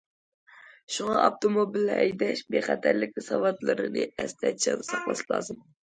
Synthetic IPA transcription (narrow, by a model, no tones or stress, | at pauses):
ʃuŋɑʔɑft̪ʰomobilːɛʔɛjd̪ɛʃbeχæt̪ʰæɾlɪkʲɪsɑwɑt̪lˠɨɾɨnɨɛst̪ʰɛt͡ʃʰɪʁnɨsɑχlˠɑslˠɑ̰ːzɨm